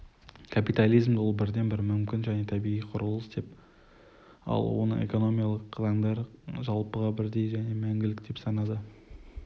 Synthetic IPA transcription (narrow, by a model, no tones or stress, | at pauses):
kʰapijt̪alʲˠijzmolˠbɪɾd̪e̞nbɪɾmʏmkʲɪnʒæne̞t̪ʰæbijʁijqʰʊɾəlˠəsd̪e̞p | ɑ̰lˠwo̞̰nə̰ŋḛko̞no̞mijalˠəqqʰlˠɑnd̪ɑɾəʒɑlˠpəʁɑbɪɾd̪e̞jʒæne̞mæŋɡʲɪlɪkd̪e̞psɑnɑd̪ə